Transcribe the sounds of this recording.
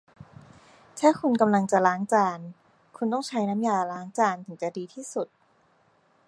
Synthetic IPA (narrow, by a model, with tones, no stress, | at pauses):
t̪ʰaː˥˩kʰu˧nka˧mla˧ŋt͡ɕa˨˩laː˦˥ŋt͡ɕaː˧n | kʰu˧nt̪ɔː˥˩ŋt͡ɕʰa˦˥jna˦˥mjaː˧˩laː˦˥ŋt͡ɕaː˧nt̪ʰɯ˩˦ŋt͡ɕa˨˩diː˧t̪ʰiː˥˩su˨˩t̪̚